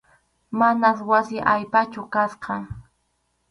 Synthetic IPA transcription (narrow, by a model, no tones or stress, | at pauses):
manaswasɪʔajpat͡ʃʊkasqɑ